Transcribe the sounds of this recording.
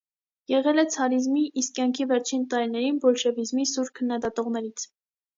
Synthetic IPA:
jɛʁɛlɛt͡sʰɑɾizmiʔːsk̚kjɑŋkʰivɛɾt͡ʃʰint̪ɑɾinɛɾinbɔlʃɛvizmisuɾkʰənːɑd̪ɑt̪ɔʁnɛɾit͡sʰ

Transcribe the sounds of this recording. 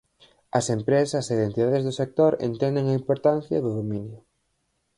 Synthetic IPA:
ɐsempɾesɐseiðent̪iðaðezðʊsek̚t̪oɾḛnt̪ɛnd̪eŋɐimpoɾt̪anθjɐ̰ðʊðominjʊ

